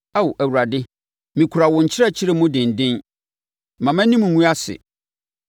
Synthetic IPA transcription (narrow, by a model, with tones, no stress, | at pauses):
a˦wo˨ʔæ˨wu˨ɾa˨dɪ˦ | mĩ˨kʰu˨ɾa˨wɔ̃˨ɲ̩˨t͡ɕʰɪ˦ɾɛ˦t͡ɕʰɪ˦ɾe˦mũ˦dɪ̃˨n̩˨dɪ̃˦n | mã˨mæ̃˦nĩ˦m˨ŋũ˦a˦sɪ̰˨